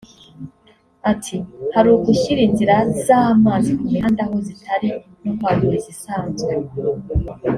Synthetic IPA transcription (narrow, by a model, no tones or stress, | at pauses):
atʰihaɾuɡuçiɾiːnziɾazamaːzikumiandahozitʰaɾi | nokwaːnuɾeɟisaːnzɡe